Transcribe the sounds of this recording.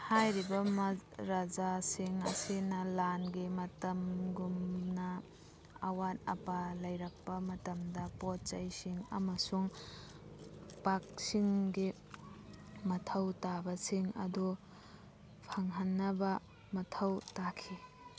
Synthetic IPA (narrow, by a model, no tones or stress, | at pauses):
hajɾibɐmɾad͡ʒasiŋɐsinɐlanɡimɐtɐmɡumnɐː | wanɐ̰palɐjɾɐk̚pɐmɐtɐmdɐpot̚t͡ʃɐjsiŋɐ̰mɐsuŋ | pak̚siŋɡi | mɐtʰɐwtabɐsiŋɐ̰du | pʰɐŋɦɐnːɐbɐ | mɐtʰɐwtakʰi